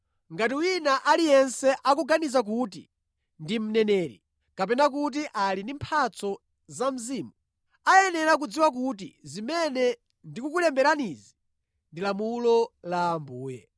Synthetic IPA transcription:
ŋɡat̬iwinaʔalijɛnsɛʔak̬uɡanizak̬utḭ | ndim̩nɛnɛːɾḭ | kapɛnak̬ut̬iʔalindimpʰat͡sɔ | zam̩ziːmu | ajɛnɛɾak̬ud͡ziwak̬ut̬ḭzimɛnɛ | ndikukulɛmbɛɾanizi | ndilamulɔlambuːjɛ̰

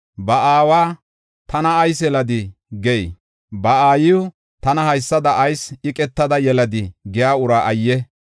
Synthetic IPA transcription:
bɐaːwaː | t̪ɐnɐːjsɛlɐd̪ɪ | ɡɛj | bɐaːjɪʊ | t̪ɐnɐhɐjsːɐd̪ɐʔːjsɪkʼɛt̪ːɐd̪ɐjɛlɐd̪ɪɡɛjaːʊɾaːʔɐjːɛ

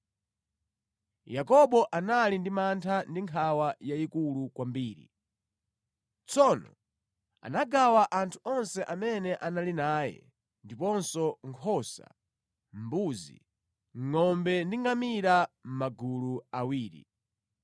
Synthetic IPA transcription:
jakɔɓɔʔanalindimantʰandiŋkʰawajaikulukwambiːɾḭ | t͡sɔnɔ̰ | a̰naɡawaʔantʰu̥ɔnsɛʔamɛnɛʔanalinaːjɛ̰ | ndipɔnsɔŋkʰɔsa̰ | m̩buzḭ | ŋŋɔmbɛndiŋamiɾam̩maɡuluawiːɾḭ

